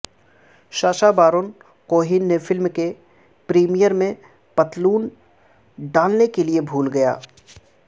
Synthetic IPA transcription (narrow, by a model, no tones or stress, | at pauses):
ʃaːʃabaːɾon | koːɦɪnːefʰɪlmke | pɾiːmijəɾmẽ | pɐt̪luːn | ɖaːlnekeliebʱuːlɡɐja̰ː